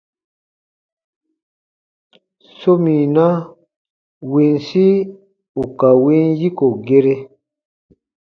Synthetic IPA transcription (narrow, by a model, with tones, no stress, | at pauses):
so˦mi˨na˦ | wi˨nsi˦ | u˨ka˨wi˦nji˦ko˨ɡe˦ɾe˦